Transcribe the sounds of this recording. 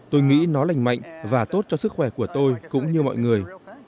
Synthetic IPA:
t̪o˧jŋḭ˧˥nɔ˨˦la˨˩jŋma̰˧˨jŋ̟vaː˨˩t̪o˦˥t̚t͡ɕɔ˧sɨ˦˥k̚xwɛː˧˩ku˧˩ət̪o˧jkʊ̰˧˥ŋ͡mɲɨ˧mɔ̰˧˨jŋɨ˨˩əj

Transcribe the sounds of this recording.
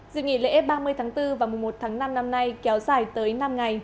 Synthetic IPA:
zɨ̰˧˨ŋḭ˧˩lḛ˧˥ɓaː˧mɨ˧əjt̪ʰaː˨˦ŋt̪ɨ˧vaː˨˩mʊ˨˩ŋ͡mmo˨˩t̚t̪ʰaː˨˦ŋna˧mna˧mna˧jkɛ˨˦wzaː˧˩jt̪əː˨˦jna˧mŋa˨˩j

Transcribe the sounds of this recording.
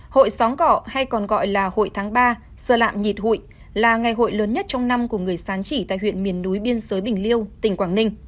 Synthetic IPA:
ho̰˧˨jsɔ˨˦nkɔ̰˧˩˨ha˧jkɔ˨˩nɣɔ̰˧˨jlaː˨˩ho̰˧˨jt̪ʰaː˨˦ŋɓaː˧ | səː˧˩la̰ː˧˨mɲi˨˩t̚hṵ˧˨j | laː˨˩ŋa˨˩jɦo̰˧˨jləː˨˦nɲə˦˥t̚t͡ɕɔ˧wŋ͡mna˧mku˧˩əŋɨ˨˩əjsaː˨˦nt͡ɕi˧˩t̪a̰ː˧˨jhwḭ˧˨ənmi˨˩ənːu˨˦jɓi˧ənzəː˨˦jɓï˨˩ŋ̟li˧əwt̪ï˧˩ŋ̟kwaː˧˩nï˧ŋ̟

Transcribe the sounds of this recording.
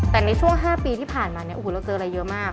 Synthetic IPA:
t̪ɛː˨˩na˧jt͡ɕʰu˥˩əŋɦaː˥˩piː˧t̪ʰiː˥˩pʰaː˨˩nmaː˧ni˥˩ʔu˨˩la˧t͡ɕɤː˧nɾa˧jːɤ˦˥ʔmaː˥˩k̚

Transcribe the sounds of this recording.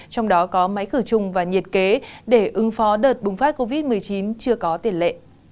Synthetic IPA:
t͡ɕɔ˧wŋ͡mɗɔ˨˦kɔ˨˦ma˨˦jxɨ˧˩t͡ɕʊ˨˩ŋ͡mvaː˨˩ɲi˨˩t̚ke˨˦ɗe˧˩ʔɨ˨˦ŋfɔ˨˦ɗəː˨˩t̚ɓʊ˨˩ŋ͡mfaː˦˥t̚ko˧vi˦˥t̚mɨ˨˩əjt͡ɕi˨˦nt͡ɕɨ˧əkɔ˨˦t̪i˨˩ənlḛ˧˨ʔ

